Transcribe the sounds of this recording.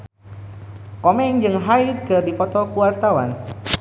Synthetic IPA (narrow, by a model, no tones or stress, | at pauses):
kɔmɛŋd͡ʒɨŋɦaid̪̚kɨrdifɔt̪ɔkuart̪awa̰n